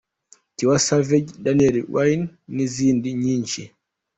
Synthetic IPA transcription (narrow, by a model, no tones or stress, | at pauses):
tiwasavɛɟɗanɛɾiwʔajinːizindiɲiɲt͡ʃi